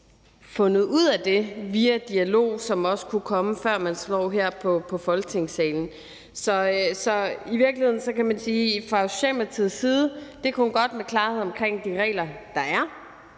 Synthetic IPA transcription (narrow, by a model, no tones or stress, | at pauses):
fɔ̽nð̞̩ˠuð̰ˠæd̥e̝ʋiæd̥iælo̝̰ːsɒ̽mɒ̽sə̥kʰukʰɒ̽məfɶɐ̰mænslɒ̰ːɦeɐ̰pʰɒ̽pʰɒ̽fɒ̽lɡ̥ət͡sʰe̝ŋ̰sɛːln̩ | sɒ̽sɒ̽iʋiɐɡlihe̝ðˠn̩sɒ̽kæmænsiːfʁɑ̈ɕɛ̰mæt͡sʰið̰ˠsiːð̞ˠd̥e̝kʰæhunɡ̥ɒ̽d̥mekʰlɑ̈ːheð̰ˠɒ̽mkʰʁeŋ̰d̥iʁɛ̰ːlɐd̥ɑ̈æɐ